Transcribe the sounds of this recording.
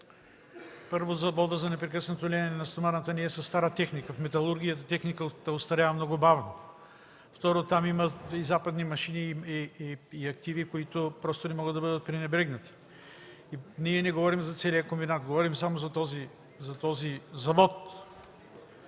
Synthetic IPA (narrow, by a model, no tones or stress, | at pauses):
pɤɾvozɐvɔd̪əzɐnɛpɾɛkəsnɐt̪olʲɛɛnɛnɐst̪omanət̪əniɛsɐst̪aɾət̪ɛxnikəfmɛt̪ɐlˠuɾɡʲijət̪ət̪ɛxnikət̪ɐost̪ɐɾʲavəmnɔɡʊbavno | ft̪ɔɾot̪amiməizapɐd̪nimɐʃiniiːɐkt̪ivikoit̪ʊpɾɔst̪onɛmɔɡəd̪ɐbɤd̪ət̪̚pɾinɛbɾɛɡnɐt̪i̥ | iniɛnɛɡovɔɾimzɐt̪sɛliəkombinat̪̚ɡovɔɾimsamozɐt̪ɔzi | zɐt̪ɔzizɐvɔt̪